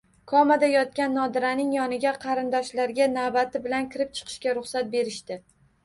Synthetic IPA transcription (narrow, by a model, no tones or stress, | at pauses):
kʰɒmad̪ajɒt̪̚kʲanːɒd̪ɪɾanɪŋjɒnɪɡʲaqʰɑɾɪnd̪ɒʃlaɾɡʲanavbat̪ʰɪbɪlankʲʰɪɾɪp̚t͡ʃʰɨ̥qʰɨ̥ʃkʲaɾʊχsat̪̚be̞ɾɪʃt̪ɪ